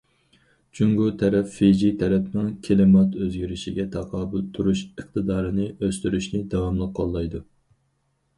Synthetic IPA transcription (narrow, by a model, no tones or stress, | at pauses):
t͡ʃʰyŋɡut̪ʰɛɾɛffed͡ʒit̪ʰɛɾɛpnɨŋkʲʰelɪmɑt̪ʰøzɡʲiɾɪʃiɡʲɛt̪ʰɑqʰɑːbɨlt̪ʰːuɾuʃəχt̪ɨd̪ɑːɾɨnɪʔøst̪yɾyʃnɪd̪ɑwɑmlˠəqʰːɑlˠːɑjd̪u